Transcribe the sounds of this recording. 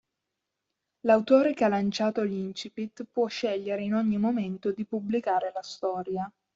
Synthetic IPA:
lawt̪oːɾekealant͡ʃaːt̪olint͡ʃipit̪ːpːwɔʃːɛʎːeɾeinoɲːimoment̪od̪ipublikaːɾelast̪ɔːɾja

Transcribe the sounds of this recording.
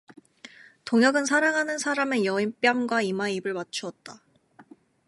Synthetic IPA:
toŋjʌɡɯnsʰaɾaŋɦanɯnsʰaɾame̞jʌimp͈jʌŋɡwaimaibɯɭmat͡ɕʰuʌt̚t͈a

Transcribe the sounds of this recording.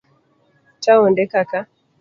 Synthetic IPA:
t͡ʃaɔndɛkaka

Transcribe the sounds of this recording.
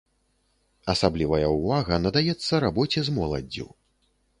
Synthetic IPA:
ɐsablʲivɐjɐuvaɣɐnɐd̪ajɛt̪sːɐɾabɔt͡sʲɛzmɔlˠɐ̰d͡zʲːṵ

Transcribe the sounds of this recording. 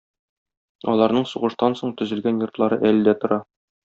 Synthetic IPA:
ɒ̰lˠɑɾnɤɴsuʁɤ̆ʃt̪ɑnsoɴt̪ɵ̆zɘ̆lɡænjŏrt̪lˠɑɾɤʔælɘd̪æt̪ŏɾɑ

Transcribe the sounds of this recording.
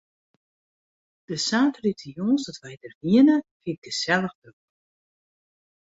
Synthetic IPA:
d̥əsaːtritʰəjɔːzdɔtʋɛjdərʋiənəfik̚dəsɛlˠəxdøk

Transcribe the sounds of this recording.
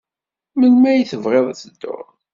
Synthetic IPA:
mənmæjθəvʁeðˤæt͡səd̪ːʊ̰ɾ

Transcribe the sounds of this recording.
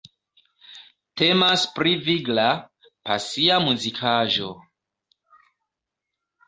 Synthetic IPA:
temaspɾiviɡla | pa̰siamuzikʰaʒo̞

